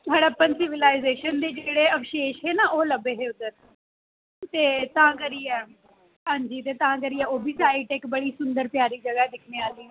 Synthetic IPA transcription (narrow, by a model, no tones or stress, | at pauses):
t̪aːɽaːpənsɪʋɪlaːɪzeːʃənd̪eːd͡ʒeːɽeːəpʰʃeːʃɦeːnaːʔoːləbeːɦeːʊd̪əɾ | t̪eːt̪ãːkəɾiːɛː | ɦãːɲd͡ʒiːt̪eːt̪ãːk̬əɾiːɛːoːbiːsaːiʈɪkbəɽiːsʊnd̪əɾpjaːɾiːd͡ʒəɡaɛd̪ɪkʰnẽːaːliː